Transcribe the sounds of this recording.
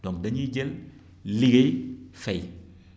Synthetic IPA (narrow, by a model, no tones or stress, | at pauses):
dɔŋdaɲid͡ʒel | liɡefej